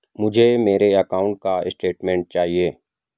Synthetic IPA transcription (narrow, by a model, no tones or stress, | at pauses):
mʊd͡ʒʱemeːɾeɐkaːʊ̃ɳʈ̚kaɪsʈeːʈmẽːɳʈ̚t͡ʃaːɦieː